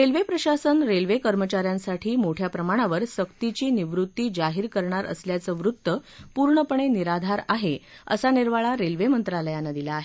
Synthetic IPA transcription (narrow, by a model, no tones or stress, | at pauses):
ɾelʋepɾəɕasənɾelʋekəɾmət͡ɕaɾjãnsaʈʰiːmoʈʰjapɾəmaɽ̃aʋəɾsəkt̪it͡ɕiːniʋɾut̪ːiːd͡ʑaɦiːɾkəɾɳaɾə̰sljat͡səːʋɾut̪ːəpuɾɳəpəɳ̃eniɾad̪ʱaɾaɦeə̰saniɾʋaɭaɾelʋemənt̪ɾaləjanəd̪ilaːɦe